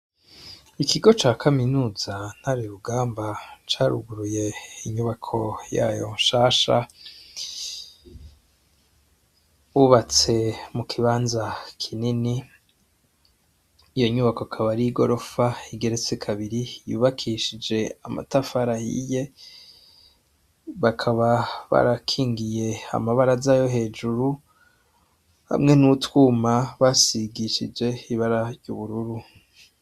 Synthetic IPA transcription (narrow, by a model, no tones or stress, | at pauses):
ikiɡo̞t͡ʃaːkʰaminuːzan̥haɾiɾuɡaːmbat͡ʃaːɾṵɡuɾuje̞iɲuβakʰo̞ja̰ːjo̰nʃaːʃa̰ | uβat͡se̞mukʰiβaːnzakʰinini | jo̞ɲuβakokʰaβaɾiɡo̞ɾo̞faiɡe̞ɾet͡sekʰaβiɾijṵːβakʰiʃid͡ʒe̞a̰ma̰tafaɾahḭje̞ | βakʰaβaβa̰ɾakʰiːŋɡije̞a̰maβaɾazaːjo̞ɦe̞ːd͡ʒuɾu | ha̰mŋe̞nutwumaβasiɡiʃid͡ʒe̞iβaɾaɾɟuβuɾuɾu